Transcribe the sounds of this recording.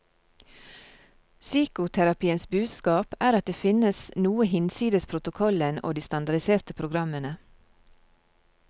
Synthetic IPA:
syːkʊt̪ʰæɾɑpiːənsbʉːd̪skɑːpæːɾɑt̪̚d̪eːfɪnəsnuːəhɪnsiːd̪əspʰɾʊt̪ʊkʰɔləno̰ːd̪iːst̪ɑnd̪ɑɖ̪ɪseːɾt̪əpʰɾʊɡɾɑmənə

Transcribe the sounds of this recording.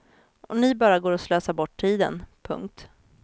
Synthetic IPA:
ɔnɪbɑːɾaɡoːɾɔsløːsaɾbɔʈʰːiːd̪ə̰npʰɵ̰ŋk̚t̪

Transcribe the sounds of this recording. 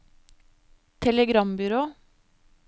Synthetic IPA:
t̪ʰɛləɡɾɑmbʏɾoː

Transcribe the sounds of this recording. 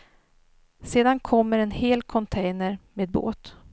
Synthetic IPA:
seːd̪ankʰɔmːəɾɛnheːlkʰɔnt̪ʰɛjnəɾmeːd̪̚bo̰ːt̪

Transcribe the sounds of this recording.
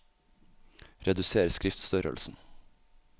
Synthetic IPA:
ɾɛd̪ʉseːɾskɾɪft̪st̪œɾə̰lsn̩

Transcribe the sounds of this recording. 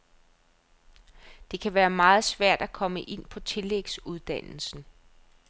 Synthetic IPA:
d̥e̝kʰæʋæːɐmɑ̈ːð̞̩ˠsʋæɐ̰d̥ækʰɒ̽məʔe̝n̰pʰɒ̽t͡sʰe̝leɡ̥suð̞ˠd̥æn̰l̩sn̩

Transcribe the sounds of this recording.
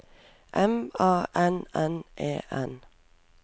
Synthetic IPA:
ʔɛmɑːʔɛnɛnʔḛːʔɛn

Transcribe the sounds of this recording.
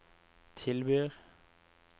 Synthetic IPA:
t̪ʰɪlbyːʁ

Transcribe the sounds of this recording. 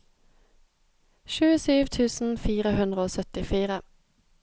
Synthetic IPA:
ʃʉːəsyːʋt̪ʰʉːsn̩fiːʁəhʉnd̪ʁəoːsœt̪ɪfiːʁə

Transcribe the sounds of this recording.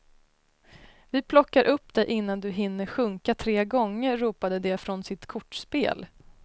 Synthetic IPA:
vɪpʰlɔkːaɾʔɵpːd̪ɛʔɪnːand̪ɵɦɪnːəɾɧɵŋkat̪ʰɾeːɡɔŋːəɾːuːpad̪əd̪ɛfɾɔnsɪt̪kʰʊʈːspḛːl

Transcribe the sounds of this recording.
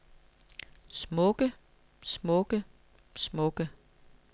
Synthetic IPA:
smɔ̽ɡ̥ə | smɔ̽ɡ̥ə | smɔ̽ɡ̥ə

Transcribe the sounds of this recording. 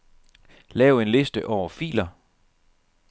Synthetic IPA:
lɛːʊe̝nle̝sd̥əʔɒʊ̰ɐfḭːlɐ

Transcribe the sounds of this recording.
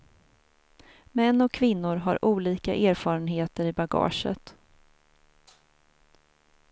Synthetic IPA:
mɛnːɔkʰːvɪnːʊɾɦa̰ɾʔuːliːka̰ʔeːɾfɑːɾənɦeːt̪əɾɪbaɡɑ̰ːʂə̰t̪

